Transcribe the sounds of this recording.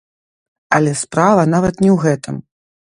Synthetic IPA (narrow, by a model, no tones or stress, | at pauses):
ɐlʲɛspɾavɐnavɐt̪nʲɛwɣɛt̪ɨ̰m